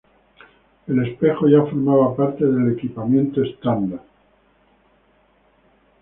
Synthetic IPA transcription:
e̞le̞spe̞xoʝafo̞ɾmaβapaɾt̪e̞ðe̞le̞kipamjẽ̞nt̪oest̪and̪a

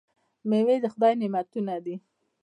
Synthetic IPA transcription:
mewed̪əxʊd̪ɑjnɪmat̪unad̪i

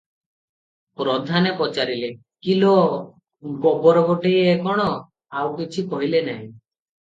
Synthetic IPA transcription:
pɾɔd̪ʱanepɔt͡ʃaɾile | kilo | ɡɔbɔɾɔɡoʈeekɔɽ̃ɔ | awkit͡ʃʰikɔɦilenaɦĩ

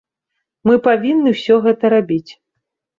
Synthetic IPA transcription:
mɨpavʲinːɨwsʲɔɣɛt̪ɐɾabʲit͡sʲ

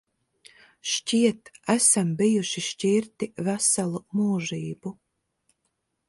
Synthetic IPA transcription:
ʃt͡ʃʲiɛt̪æsambijuʃiʃt͡ʃʲiɾt̪ivæsalˠumuːʒiːbu

